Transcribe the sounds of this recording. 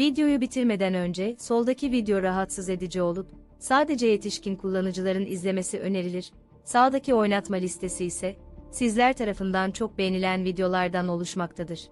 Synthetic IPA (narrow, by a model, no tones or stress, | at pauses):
vid̪ejo̞jubit̪ʰiɾme̞d̪ænø̞nd͡ʒɛso̞lˠd̪acʰivid̪ejo̞ɾaɦat̪sɯze̞d̪id͡ʒɛo̞lˠup | saːd̪e̞d͡ʒɛje̞t̪ʰiʃcinkʰulˠːanɯd͡ʒɯlˠaɾɯnizlʲe̞me̞siʔø̞ne̞ɾilʲiɾ̥ | saːd̪acʰio̞jnat̪malʲist̪ʰe̞siːsɛsizlʲæɾt̪ʰaɾafɯnd̪ant͡ʃʰo̞k̚be̞jenilʲænvid̪jo̞lˠaɾd̪ano̞lˠuʃmakt̪ʰad̪ɯɾ̥